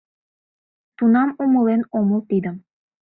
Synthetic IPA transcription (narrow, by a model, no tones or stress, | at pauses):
t̪unɑmumɤlˠenomɤlˠt̪id̪ə̆m